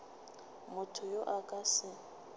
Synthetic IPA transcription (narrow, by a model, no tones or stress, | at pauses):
mʊtʰʊjoʔakʼasɪ